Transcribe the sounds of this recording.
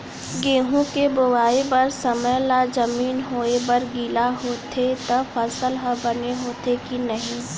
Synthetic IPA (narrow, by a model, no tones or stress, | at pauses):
ɡeːɦũkebʊwaːebɐɾsəməjlad͡ʒəmiːnɦoːebəɾɡiːlaɦoːt̪ʰet̪əfəsəlɦəbɐneɦoːt̪ʰekinɐɦĩ